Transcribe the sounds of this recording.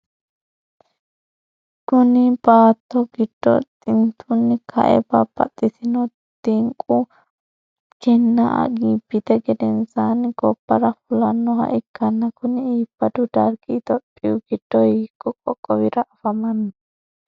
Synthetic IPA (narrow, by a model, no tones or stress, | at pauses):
kʊnɪbaːt̪ːɔɡɪd̪̥ːɔ̰t̪ʼɪnt̪ʰʊnːɪkʰɐ̰ʔɛ̰bɐbɐ̰t̪ʼːɪsɪnɔ | t̪ɪŋkʼu | d͡ʒɛnːaʔɐ̰ɡiːbːɪt̪ɛɡɛd̪ɛnsanɡɔb̥ːɐɾɐfʊlɐnːɔɦɐ̰ʔɪkːɐnːɐkʊnɪiːb̥ːɐd̪ʊd̪ɐɾɡɪt̪ɔpʼːɪjʊɡ̥ɪd̪̥ːɔjkʼːɔkʼɔkʼːɔwɪɾɐʔɐfɐmɐnːɔ